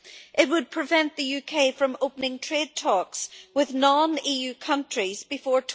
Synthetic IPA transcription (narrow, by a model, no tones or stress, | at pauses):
ʔɪt̚wəd̚pʰɹ̥ɪvɛ̃nʔðəjʉkʰeɪfɹə̃mopənɪ̃ŋtʰɹ̥ed̚tʰɔkswɪðnɔ̃nijʉːkʰʌ̃nt͡ʃɹ̥izbɪfɔɹtʰ